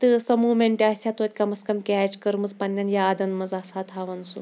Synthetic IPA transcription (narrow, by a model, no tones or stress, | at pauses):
t̪ɨsɐmuːmeɳʈʲiasʲat̪ot̪ʲkɐmɐskɐmkʲɛt͡ʃkɐɾmɨzpɐnʲːanjaːd̪ɐnmɐd͡zasat̪ʰaʋɐnsu